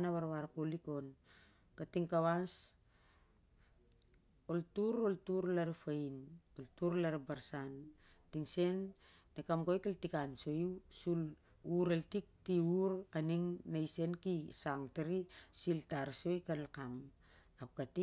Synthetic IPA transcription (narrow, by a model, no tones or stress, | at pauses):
naβaɾβaɾkoliko̞n | katiŋkaβas | oltuɾoltuɾlaɾafainoltuɾlaɾabaɾsan | tiŋse̞nː | ekamɡojkaltikanso̞jusul | uɾeltik̚tiuɾaniŋnajse̞nkisaŋteɾisiltaɾso̞jkanlakam | ap̚kati